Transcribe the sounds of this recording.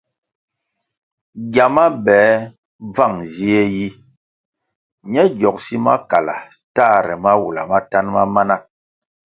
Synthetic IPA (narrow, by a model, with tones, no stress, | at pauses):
ɡja˨ma˦bɛː˨˦ | b͡va˦˨ŋzi˦e˦ji˦ | ɲɛ˦d͡ʒjɔ˨k̚si˦ma̰˦ka˨la̰˨ta˦˨ɾɛ˨ma˦wu˨la̰˨ma˦ta˦nma˦ma˦na˦